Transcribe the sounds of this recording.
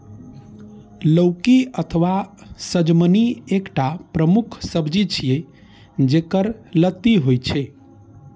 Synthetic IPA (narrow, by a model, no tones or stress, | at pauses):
ləʊkiət̪ʰʋasəd͡ʒməniekʈapɾəmukʰsəbd͡ʒit͡ʃʰije | d͡ʒekəɾlət̪ːiɦojt͡ʃʰe